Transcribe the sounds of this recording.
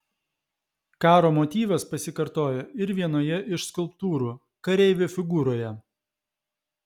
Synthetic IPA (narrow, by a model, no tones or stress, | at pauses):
kɑːɾoːmɔt̪ʲiːʋɐspɐsʲɪkɐɾt̪oːjoːɪɾʋʲiɛnoːjɛʔɪʃskʊlˠpt̪uːɾuː | kɐɾʲɛɪʋʲofʲɪɡuːɾoːjɛ